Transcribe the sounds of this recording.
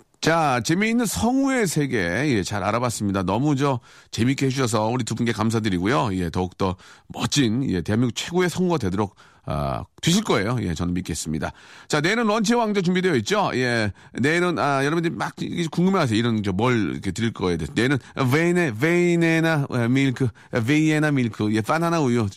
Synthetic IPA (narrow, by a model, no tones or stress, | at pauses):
t͡ɕat͡ɕe̞miːnːɯnsʰʌŋue̞sʰe̞ɡe̞ije̞t͡ɕaɾa̰ɾabas͈ɯmɲidanʌmud͡ʑʌt͡ɕe̞mik͈eɦeuɕʰʌs̬ʰʌuɾitubunɡe̞kams̬ʰadɯɾiɡujoije̞tʌuk̚t͈ʌmʌt͡ɕ͈inḭe̞te̞ɦamjiɡut͡ɕʰwe̞ɡoe̞sʰʌŋɡadwe̞doɾok̚ | ʌ̰t͈wiɕ̬ʰiɭk͈ʌe̞joje̞̰t͡ɕʌnɯnmik͈eɦes͈ɯmɲida̰t͡ɕaneinɯnwʌnt͡ɕʰewaŋd͡ʑʌt͡ɕuŋbidwe̞jʌit̚t͡ɕ͈oḭje̞nenɯnajʌɾʌbɯndɯɾimak̚iɡekuŋɡɯmeɦas̬ʰeiɾʌnd͡ʑʌmʌɭḭkʰetɯɾiɭk͈ʌejadesʰnenɯnvenevenenaemiɭkʰɯ | veienamiɭkʰɯije̞p͈ananaujo